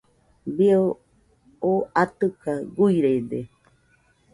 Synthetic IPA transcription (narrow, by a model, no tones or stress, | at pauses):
bio | oʔat̪ɨkaɡuiɾed̪e